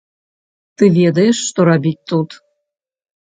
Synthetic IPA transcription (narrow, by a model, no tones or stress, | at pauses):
t̪ɨvʲed̪əjeʂːt̪oɾabʲitʲt̪ut̪